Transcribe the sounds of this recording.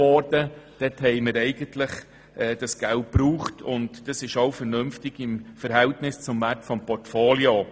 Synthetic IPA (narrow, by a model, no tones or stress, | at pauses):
ɔːrdəd̥ɛthɛɪməɾɛɪɡəntləχ | ɛːd̥ɑsɡ̥ælt̚pɾuːχtʰʊ̰ntd̥ɑsɪʃoʊfəɾnɵmftɪɡ̥ɪmfəɾɦɛltnɪst͡sʊmvæɾtfɔmpɔrtfoːlio